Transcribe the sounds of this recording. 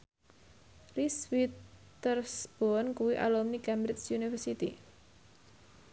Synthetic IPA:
riswit̪ | ərsb̥oɔnkuwiʔa̰lɔmnikɛmbɾɪt͡ʃsjunifərsit̪i

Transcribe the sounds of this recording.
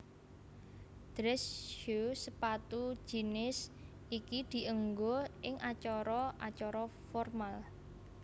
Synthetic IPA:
d̪̥ɾɛsjusəpat̪u̥d͡ʒ̥i̤nɪs | ikid̪̥i̤ʔəŋɡoʔɪŋʔat͡ʃɔɾɔʔat͡ʃɔɾɔfɔrmal

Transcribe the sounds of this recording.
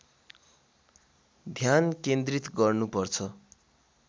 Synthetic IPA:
d̪ʱjankend̪rit̪ɡʌrnupʌrt͡sʰʌ

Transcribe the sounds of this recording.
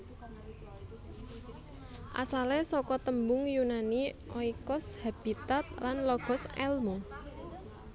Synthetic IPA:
ʔa̰salɛsɔkɔt̪əmbʊŋjunaniʔɔikɔshab̥i̤t̪at̪̚lanlɔɡ̥ɔ̤sɛ̰lmo

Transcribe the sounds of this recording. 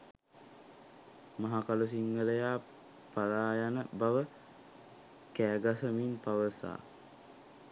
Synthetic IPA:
maɦakalus̬iŋɡələjaː | paɾaːjanəbaʋə | kæːɡasəminpaʋəsa̰ː

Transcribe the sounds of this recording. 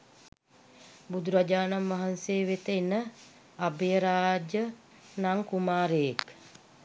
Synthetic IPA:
bud̪uɾad͡ʒaːnamʋaɦanseːʋet̪eenə | abejəɾaːd͡ʒə | naŋkumaːɾejek

